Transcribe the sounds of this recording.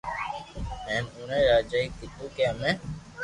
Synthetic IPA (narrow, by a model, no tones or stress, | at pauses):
eːnuːnẽːɾaːd͡ʒaːiːkɪt̪uːkeəmẽː